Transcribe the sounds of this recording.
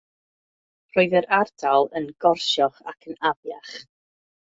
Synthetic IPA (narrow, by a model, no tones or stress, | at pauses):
roɨðəɾʔardʰalˠənɡɔrʃjɔχa̰kʰənavjaχ